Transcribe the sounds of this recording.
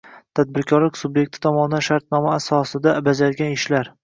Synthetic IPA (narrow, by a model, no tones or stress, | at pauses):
t̪ʰad̪̚bɪɾkʲʰɒɾlɪkʲsʊbje̞k̚ʲt̪ʰɪ̥t̪ʰɒmɒnɪd̪anʃaɾt̪̚nɒmaːsɒsɪd̪abad͡ʒaɾɡʲanɪʃlaɾ